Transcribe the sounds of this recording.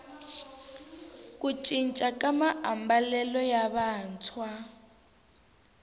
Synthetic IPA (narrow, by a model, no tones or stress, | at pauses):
kʼut͡ʃʼint͡ʃʼakʼamaʔambalɛlɔjaβaːnt͡sʰwa